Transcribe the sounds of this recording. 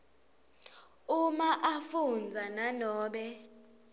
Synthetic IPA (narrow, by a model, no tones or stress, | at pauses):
umaʔafund͡zʱananɔːɓɛ